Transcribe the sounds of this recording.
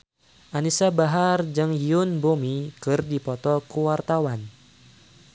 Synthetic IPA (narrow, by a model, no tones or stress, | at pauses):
ʔanisabaɦard͡ʒɨŋjiʊnbomikɨrdipɔt̪ɔkuwart̪awan